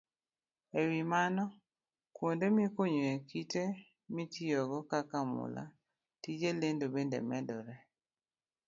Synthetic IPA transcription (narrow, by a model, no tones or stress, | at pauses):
ewimanɔ | kwondemɪekoɲoekite | mitijoɡɔkakamʊ̰la̰ | tid͡ʒelendobendḛmɛdɔɾɛ